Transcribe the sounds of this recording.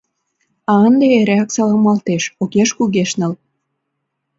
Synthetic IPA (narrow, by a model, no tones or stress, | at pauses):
ɑənd̪eeɾeæksɑlɑmɑlt̪eʃokeʃkuɣeʃnə̆l